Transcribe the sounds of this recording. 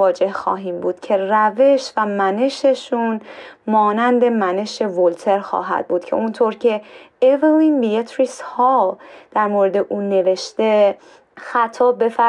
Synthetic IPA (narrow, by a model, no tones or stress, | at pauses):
ɒːd͡ʒe̞hxɒ̰ːɦiːmbuːd̪̥cʰe̞ræve̞ʃvæmæne̞ʃe̞ʃunmɒːnænd̪e̞mæne̞ʃe̞volt̪ʰe̞ɾxɒ̰ːɦæ̰d̪̥̚buːd̪̥cʰe̞̰ʔunt̪ʰoɾcʰe̞evilinbijet̪ʰɾishɒːd̪̥æɾmoːɾe̞d̪e̞ʔuːne̞ve̞ʃt̪e̞ | xæt̪ʰɒːbe̞fæ